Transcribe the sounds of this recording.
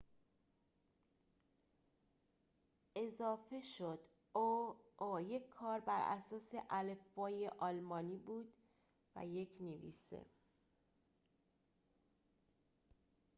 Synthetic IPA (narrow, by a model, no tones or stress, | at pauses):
ʔe̞zɒːfe̞ʃod̪̥ | oojekʰːɒːɾbæɾʔæ̰sɒːse̞ʔælefːɒːjeʔɒːlmɒːniːbuːd̪̥ | væ̰jecʰnevḭːsḛ